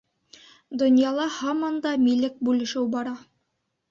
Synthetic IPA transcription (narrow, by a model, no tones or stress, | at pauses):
d̪ŏnjɑlˠɑhɑmɑnd̪ɑmilɘk̚bʉlɘ̆ʃɘwbɑɾɑ